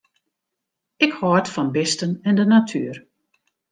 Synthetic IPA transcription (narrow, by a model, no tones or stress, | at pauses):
ɪkhɔtfɔnbɪstənɛndənatʰyːr